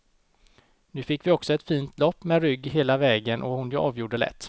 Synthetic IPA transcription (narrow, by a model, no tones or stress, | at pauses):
nʉ̟ːfɪkːvɪɔksɔɛt̪fiːnt̪ʰlɔpːmɛɾʏɡːɦeːlavɛːɡənʔɔhʊnjoʔɑːvjuːɖəlɛ̰t̪ː